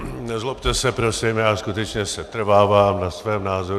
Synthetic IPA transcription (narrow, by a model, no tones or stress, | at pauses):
nɛzlopt̪ɛsɛpɾosimjaːskut̪ɛt͡ʃɲɛsɛt̪r̩vaːvaːmnasvɛːmnaːzoɾ